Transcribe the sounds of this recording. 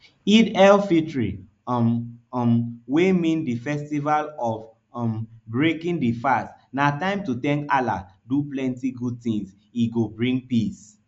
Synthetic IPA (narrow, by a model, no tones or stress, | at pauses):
idɛlfitɹḭ | mmwemĩndifɛstivalɔv | mbɹekĩndifastnatãɪ̃mtutɛ̃ŋkala̰duplɛ̃ntiɡud̚tĩŋs | iɡobɹĩŋɡ̚pis